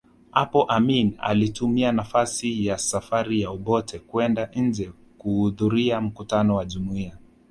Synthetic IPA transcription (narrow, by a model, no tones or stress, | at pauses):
hapɔʔamina̰litumianafasijasafaɾijauɓɔtʰɛkuɛndaɲ̩d͡ʒɛ | kuhuðuɾiam̩kutanɔwaʄumuia